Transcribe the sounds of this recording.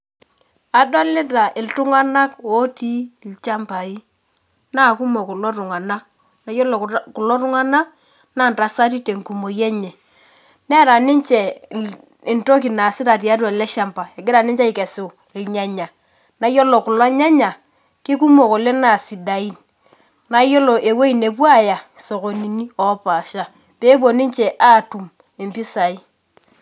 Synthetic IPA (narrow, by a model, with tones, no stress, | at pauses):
a˨dwa˦lɪ˦ta˨ʔɪ˨ltʊ˦ŋa˦na˦ko˦ti˦˨lt͡ʃa˦mpa˨i˦ | na˦˨ku˦mo˨ku˨lo˦tʊ˨ŋa˨na˦k̚ | na˨˦jɔ˦lo˨kʊ˨lɔ˦ɾʊ˦ŋa˦na˦k | na˦˨nta˨sa˦ti˦te˨ŋ˨ku˨mo˨jɛ˦ɲɛ˨ | nɛ˦ɾa˨nɪ˦ɲt͡ʃɛ˨ | ɪ˨nto˦k̬i˨na˨sɪ˦ɾa˨ti˨a˦t̬a˨lɛ˦ʃa˦mpa˨ɛ˨ɡɪ˦ɾa˨nɪ˦ɲt͡ʃe˦i˨kɛ˨sɪ˨ | ɪ˨lɲa˦ɲa˨ | na˨˦jo˦lo˨kʊ˨la˦ɲa˦ɲa˨ | ki˦k̬u˦mo˨ko˨le˦na˨si˨da˨i˦n | na˨˦jo˦lo˨ʔe˨we˦i˨ne˨p̬wa˦ja˨so˨ko˨ni˨ni˦ɔ˨˦pa˨ʃa˦ | peː˦b̬o˨ni˦ɲt͡ʃɛ˨ʔaː˦˨tu˨m | e˨mpi˦sa˨i˦